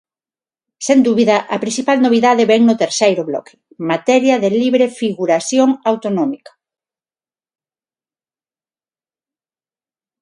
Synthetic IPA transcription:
send̪uβiðɐʔɐpɾĩnθipalnoβ̞iðaðɪβɛŋnʊt̪eɾsejɾʊβlɔ̰kʰɪ̥ | mat̪ɛɾjɐðeliβɾefiɣuɾasjoŋawt̪onɔmikɐ̥

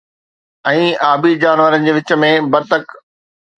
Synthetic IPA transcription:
ɛ̃ːaːbid͡ʑaːnʋəɾənɪ̆d͡ʑeːʋɪt͡ɕə̆mẽbɐɾt̪ək

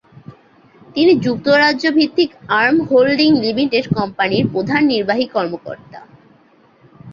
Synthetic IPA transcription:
t̪inid͡ʑuk̚t̪oɾadʑobʱit̪ːikaɾmɦolɖiŋlimiʈeɖkɔmpaniɾpɾod̪ʱanːiɾbaɦikɔɾmoko̰ɾt̪a̰

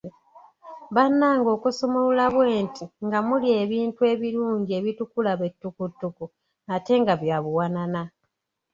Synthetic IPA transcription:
βanːaːŋɡo̞ːkusomuulaβwe̞ːntʰiŋɡamulie̞βiːntue̞ːβiɾuːɲɟie̞βitukulaβe̞tːukutːuku | ate̞ŋɡaβjaβuwanana

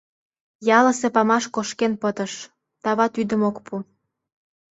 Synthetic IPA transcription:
jɑlə̆sepɑmɑʃkoʃkenpət̪ə̆ʃ | t̪ɑβɑt̪yd̪ə̆mokpʰu

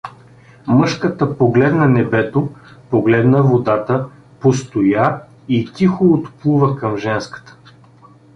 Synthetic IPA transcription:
mɤʃkət̪əpoɡlɛd̪nɐnɛbɛt̪opoɡlɛd̪nəvod̪at̪ə | post̪oja | it̪ʲixoot̪plˠuvəkɐmʒɛnskə̥t̪ə̥

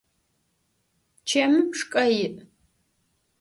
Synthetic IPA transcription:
t͡ʃʰɐmɨpʰʂkʼɐjɪʔ

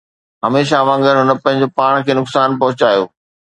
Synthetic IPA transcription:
ɦɐmeːʃaʋãːŋɡəɾɦʊnə̆pɐ̃ɦɪ̃ɲd͡ʑopaːɽ̃kʰeːnʊksaːnpɐɦʊt͡ɕaːjo̰ː

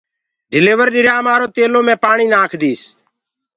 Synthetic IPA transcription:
ɖɪleːʋəɾɗɪɾjaːmaːɾoːt̪eːloːmẽːpaːɳiːnaːkʰd̪iːs

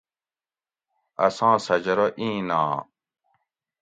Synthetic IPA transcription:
ɐ̰sãːsɐd͡ʑɐɾoʔĩːnã̰ː

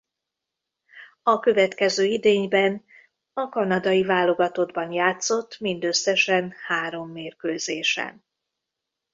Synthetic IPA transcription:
ɒkø̞vɛt̪kɛzøːid̪eːɲbɛn | ɒkɒnɒd̪ɒjivaːlo̞ɡɒt̪o̞d̪bɒnjaːt̪so̞t̪ːmind̪ø̞sːɛʃɛnhaːɾo̞mːeːrkøːzeːʃɛ̰n

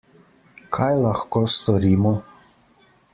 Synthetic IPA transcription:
kʰajlaxkoːst̪ɔɾiːmɔ

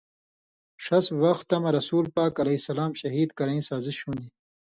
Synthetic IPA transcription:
ʂɐswɐxt̪ːɐmɐɾɐsuːlpaːkɐlɐisɐlaːmɕɐɦiːd̪kɐɾɐ̃ĩsaːziɕuːnd̪iː

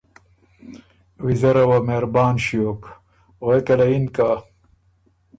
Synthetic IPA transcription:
wizɐɾɐwɐmeːɾbaːnɕijok | oekɐlɐinka

